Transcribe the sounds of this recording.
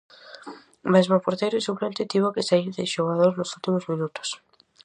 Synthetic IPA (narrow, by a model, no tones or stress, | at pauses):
mezmopoɾt̪ejɾoisuplẽnt̪et̪iβokesaiðeʃoɣað̞oɾznosult̪imozmĩnut̪ʊ̥s